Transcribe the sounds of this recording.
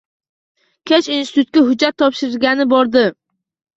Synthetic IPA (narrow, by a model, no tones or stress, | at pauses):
kʲʰet͡ʃinsɪ̥t̪ʰʊt̪̚kʲaɦʊd͡ʒːat̪ʰːɒpʃɪɾɪɡʲanɪbɒɾd̪ɪ